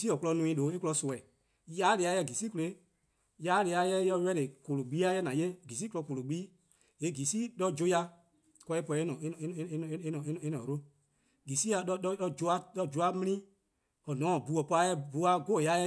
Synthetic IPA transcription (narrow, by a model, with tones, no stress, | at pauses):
si˦ɔ˨kulɔ˧nũ˧ĩ˧˦lo˨˦e˦ku˦lɔ˧so˨ɛ˨ | jaː˨˦le˧a˧˦jɛ˧˦˨ɡi˨si˦ku˧le˨˦ | jaː˨˦le˧a˧˦jɛ˦jɔ˧˦ɛ˦ɾe˨ko˨lo˨ɡ͡bi˨˦a˦jɛ˦nã˨je˦˨ɡi˨s̬i˦ku˦ɔ˧ko˨lo˨ɡ͡biː˦ | e˨ɡi˨siː˦ɗɔ˦d͡ʒo˦ja˧ | kɔ˧e˦pɔ˧e˦nɔ̃˨ẽ˦˨e˦ñ˨˦e˦nɔ̃˨e˦n˨e˦nɔ̃˨ɾo˦ | ɡi˨si˦a˧ɔ˦ɔ˦ɔ˧˦d͡ʒo˧˦a˧˦ɗɔ˦d͡ʒo˨˦a˦mĩ˦nĩ˦ | ɔ˨nɔ̃˨˦˨bu˨˦ɔ˨pɔ˧a˧˦jɛ˦bu˨˦a˧ɡo˦e˨ja˨˦jɛ˦